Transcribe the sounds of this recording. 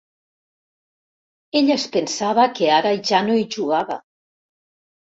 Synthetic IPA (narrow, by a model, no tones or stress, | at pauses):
eʎaespensaβakeaɾaiʒanoiʒuɣaβa̰